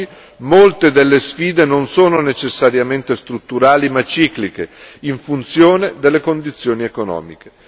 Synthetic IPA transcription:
i | molt̪ed̪elːesfiːd̪enonsoːnonet͡ʃesːaɾjament̪est̪ɾut̪ːuɾaːlimat͡ʃːiːklikeiɱfunt̪sjoːned̪elːekond̪it̪sːjoːniekonɔ̰ːmike̥

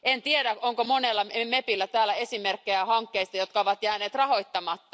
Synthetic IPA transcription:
ent̪ieɾækoŋkomo̞nelːɑmepilːæt̪æːlːˑæe̞simerkːejæhɑŋkːeist̪ɑjo̞t̪̚kɑoʋɑt̪jæːneːt̪rɑho̞jt̪ːɑmɑt̪ːɑ

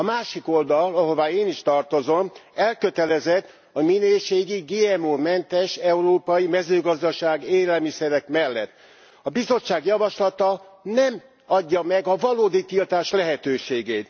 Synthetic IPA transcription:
ɒmaːʃiko̞ld̪ɒlɒɦo̞vaːeːniʃt̪ɒrt̪o̞zo̞mɛlkø̞t̪ɛlɛzɛt̪ː | ɒminøːʃeːɡiɡeːɛmoːmɛnt̪ɛʃɛuɾoːpɒjimɛzøːɡɒzd̪ɒʃaːɡeːlɛlmisɛɾɛkmɛlːɛt̪ː | ɒbizo̞t͡ʃːaːɡjɒvɒʃlɒt̪ɒnɛm | ɒɟːɒmɛɡɒvɒloːd̪it̪ilt̪aːʃlɛɦɛt̪øːʃeːɡeːt̪

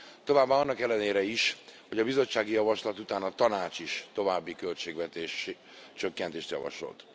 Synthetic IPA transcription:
t̪o̞vaːbːaːɒnːɒkɛlːɛneːɾɛiʃho̞ɟɒbizo̞t͡ʃːaːɡijɒvɒʃlɒt̪ut̪aːnɒt̪ɒnaːt͡ʃiʃt̪o̞vaːbːikølt͡ʃeːɡvɛt̪eːʃ | t͡ʃøkːɛnt̪eːʃt̪jɒ̰vɒ̰ʃo̞̰lt̪

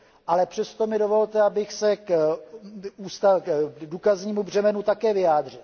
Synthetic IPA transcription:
ʔalɛpr̝̥ɛst̪o̞mɪdo̞vo̞lt̪ɛabɪxsɛk | uːst̪aduːkazɲiːmubr̝ɛmɛnut̪akɛːvɪjaːd̪r̝ɪl

